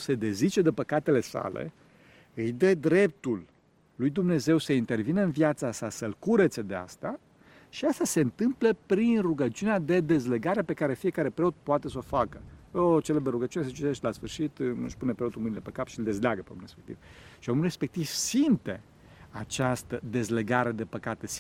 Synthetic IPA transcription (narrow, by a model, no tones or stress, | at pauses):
se̞d̪e̞zit͡ʃe̞d̪epəkat̪e̞le̞sa̰lḛ | ɨjd̪ed̪ɾe̞p̚t̪ulː | ujd̪umne̞ze̞wsəint̪e̞rvinəɨnvjat̪sasasəlkuɾet̪se̞d̪e̞a̰st̪a | ʃiast̪aseɨnt̪ɨmpləpɾinruɡət͡ʃiunead̪e̞d̪e̞zle̞ɡaɾepe̞kaɾe̞fije̞kaɾe̞pɾe̞ot̪̚poat̪e̞s̬o̞fakəot͡ʃelebd̪eɾuɡət͡ʃiunes̬ət͡ʃit̪eʃt̪ʲlasfɨrʃit̪ɨ̰ʃpunepɾeot̪ulmɨnilepekapʃiɨld̪e̞zleaɡəpeo̰muɾrespek̚t̪ḭv̥ʃiomulre̞spe̞k̚t̪iv̥simt̪e̞ | at͡ʃast̪əd̪e̞zle̞ɡaɾe̞d̪e̞pəkat̪e̞s